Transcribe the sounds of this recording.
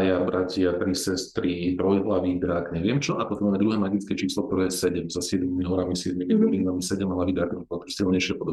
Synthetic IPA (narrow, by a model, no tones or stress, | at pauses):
jabɾacɪat̪ɾisɛst̪ɾit̪ɾɔjɦlaʋid̪ɾakɲɛʋɪɛmt͡ʃɔʔat̪ɔt̪ɔmaːmɛd̪uɦɛːmaɡit͡skɛt͡ʃiːslɔkt̪ɔɾɛːɛsɛɟɛmzasɪɛd̪mimiɦɔɾamisɪɛd̪miminɛlinamisɛɟɛmɦlaʋid̪ɾaːkamipɔt̪isilɲɛɪʃɪɛpɔd̪ɔb